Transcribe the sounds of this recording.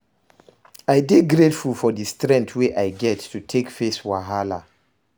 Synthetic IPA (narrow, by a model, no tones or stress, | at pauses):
ajbeɡɹetfulˠfɔdistɹɛ̃ntʰweʔajɡɛtːutʰekfeswaɦala̰